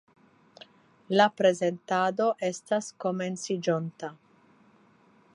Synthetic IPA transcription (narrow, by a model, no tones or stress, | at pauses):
lapɾe̞ze̞nt̪ad̪o̞ʔe̞st̪asko̞me̞nsid͡ʒont̪a